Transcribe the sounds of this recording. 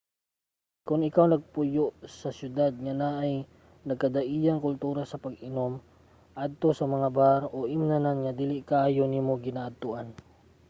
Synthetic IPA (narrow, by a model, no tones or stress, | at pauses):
kʊŋɪkawnɐɡ̚pʊjoʔsɐsjʊd̪ad̪̚ŋɐnaʔɐj | nɐɡ̚kɐd̪ɐʔiːjɐŋkʊlt̪uːɾɐsɐpɐɡʔɪno̞m | ʔad̪̚t̪o̞sɐmɐŋabaɾʔoʔɪmnɐnanŋɐd̪iːlɪʔkaaːjonimoɡɪnaːʔɐd̪̚t̪ʊʔan